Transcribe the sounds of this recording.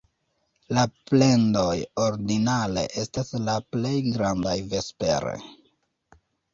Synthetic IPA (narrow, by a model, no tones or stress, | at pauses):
laple̞ndo̞joɾdinale̞̰ʔe̞staslaple̞jɡɾandajve̞spe̞̰ɾe̞̰